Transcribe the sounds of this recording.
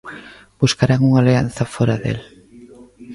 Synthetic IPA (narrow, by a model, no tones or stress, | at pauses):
b̥uskaɾaŋuŋalean̟θɐfɔɾaðḛl